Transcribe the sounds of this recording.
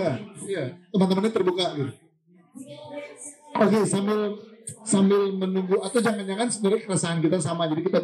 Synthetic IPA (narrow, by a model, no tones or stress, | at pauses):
aijat̪əmant̪̬əmanɲat̪ərbukadɪ | okesambɪlsambɪlmənuŋɡuat̪awd͡ʒaŋanjaŋansəniɾakəɾasaɦankit̪asamad͡ʒadikit̪a